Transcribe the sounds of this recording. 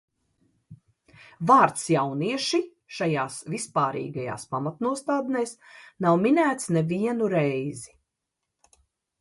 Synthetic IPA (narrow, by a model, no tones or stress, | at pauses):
vaːɾt̪sjawniɛʃi | ʃajaːsvispaːɾḭːɡaja̰ːspamat̪nuɔst̪aːd̪nɛːsnawminæːt̪snɛviɛnuɾɛjzi